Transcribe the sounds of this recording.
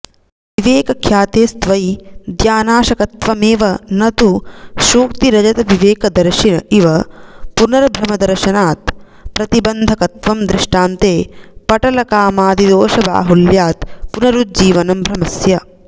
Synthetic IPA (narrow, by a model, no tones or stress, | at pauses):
ʋiʋeːkɐkʰjaːt̪eːst̪ʋɐjd̪jaːnaːʃɐkɐt̪ʋɐmeːʋɐnɐt̪uʃuːk̚t̪iɾɐd͡ʒɐt̪ɐʋiʋeːkɐd̪ɐɾʂinɐʔiʋɐpunɐɾɐbʱɾɐmɐd̪ɐɾʃɐnaːt̪̚ | pɾɐt̪ibɐnd̪ʱɐkɐt̪ʋɐmd̪ɾɪʂʈaːnt̪eːpɐʈɐlɐkaːmaːd̪id̪oːʃɐba̰ːɦuljaːt̪punɐɾut̪̚d͡ʒiːʋɐnɐmbʱɾɐmɐsjɐ